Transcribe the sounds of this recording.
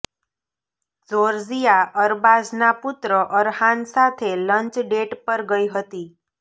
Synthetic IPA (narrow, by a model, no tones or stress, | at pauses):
d͡zoɾzijaəɾbaznapʊt̪ɾəʔəɾhansat̪ʰeləɲt͡ʃɖeʈpəɾɡəiɦət̪i